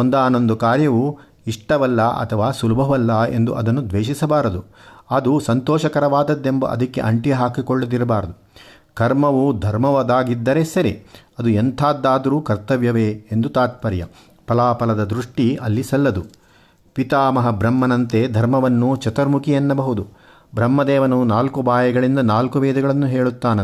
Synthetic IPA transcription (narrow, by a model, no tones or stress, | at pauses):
ond̪aːno̞nd̪ukaːɾjɐʋu | iʂʈɐʋɐlːɐɐ̰t̪ʰɐʋaːsulubʱɐʋɐlːɐe̞̰nd̪uʔɐ̰d̪ɐnːud̪ʋeːʃisɐbaːɾɐd̪uɐd̪usɐnt̪ɔːʃɐkɐɾɐʋaːd̪ɐd̪ːe̞mbɐ̰ʔɐ̰d̪ɐkːḛʔɐɳʈijɐɦaːkikɔɭːɐd̪iɾɐbaːɾɐd̪u | kɐɾmɐʋud̪ʱɐɾmɐʋɐd̪aːɡid̪ːɐɾesɐɾeɐd̪uent̪ʰaːd̪ːaːd̪ɐɾuːkɐɾt̪ɐʋjɐʋeːnd̪ut̪aːt̪̚pɐɾjɐ̰ | pɐlaːpɐlɐd̪ɐd̪ɾuʂʈiɐlːisɐlːɐd̪u | pit̪aːmɐɦɐbɾɐmːɐnɐnt̪ed̪ʱɐɾmɐʋɐnːut͡ʃɐt̪ɐɾmukijɐnːɐbɐɦud̪u | bɾɐmːɐd̪ɛːʋɐnunaːlkubaːjɐɡɐɭind̪ɐnaːlkuʋeːd̪ɐɡɐɭɐnːuɦeːɭut̪ːaːne